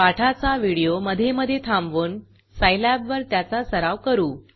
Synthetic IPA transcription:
aʈʰat͡saʋiɽijoməd̪ʱːjeməd̪ʱːjet̪ʰambʋuːn | sajlæbʋəɾt̪jat͡sasəɾaʋkəɾuː

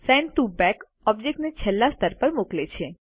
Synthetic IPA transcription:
sɛ̃ɳɖʈubɛk | ɔb̚d͡ʒek̚ʈnet͡ʃʰɛlːast̪ʰəɾpəɾmoklet͡ʃʰe

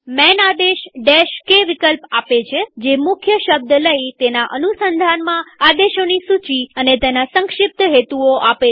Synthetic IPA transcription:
mɛnad̪eʃɖeʃkeʋɪkəlpapet͡ʃʰed͡ʒemʊkʰjəʃəb̚d̪ləit̪enaʔənusənd̪ʱanmãad̪eʃonisut͡ʃiənet̪enasə̃ŋkʃɪp̚t̪ɦet̪uoʔape

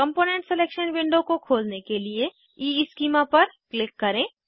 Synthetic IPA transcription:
kɐ̃mpoːnẽɳʈsɛleːkʃənʋɪ̃ɳɖõkokʰoːlnekelie | iːɪskiːmapɐɾklɪkːɐɾẽː

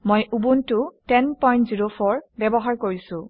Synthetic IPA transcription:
mojʔubuntʊtɛnpɔjntziɹopʰɔɹbɛbɔɦaɹkoɹisʊ̃

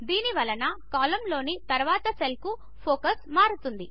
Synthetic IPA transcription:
d̪iːniʋɐlɐnɐkaːlɐmlo̞ːnit̪ɐɾʋaːt̪ɐselku | pʰoːkɐsmaːɾut̪und̪i

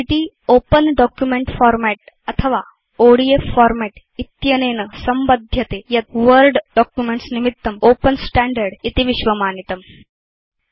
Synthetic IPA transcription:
it̪i | oːpənɖɔːkjumeɳʈfaːɾmɛʈ̚ | ɐt̪ʰɐʋaː | oːɽieffɔːɾmeʈ | it̪jɐneːnɐsɐmbɐd̪ʱjɐt̪eːjɐt̪ʋəɾɖɖɔːkjumeɳʈsnimit̪ːɐmoːpɐnsʈæːɳɖɐɾɖit̪iʋiʃʋɐmaːnit̪ɐm

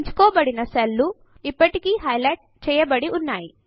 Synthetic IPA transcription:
ɲt͡ʃu̥kɔːbɐɽinɐsɐlːu | ipːɐʈikiːɦɐjlɐjʈ̚t͡ʃɛːjɐbɐɽiʔunːaːji

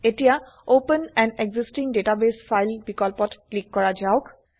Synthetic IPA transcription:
etija | opənɛ̃neɡzistĩŋdetabesfʰajlbikɔlpɔtkːlikːɔɹad͡ʒaʊk

